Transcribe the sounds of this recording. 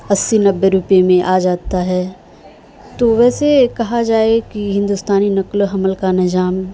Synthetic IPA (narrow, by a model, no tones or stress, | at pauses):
ɐsːinɐbːeɾʊpemẽʔaːd͡ʒaːt̪aɦɛː | t̪oːʋɛːsekɐɦad͡ʒaːekiɦɪ̃nd̪ust̪aːninɐklɦɐməlkanɪd͡ʒaːm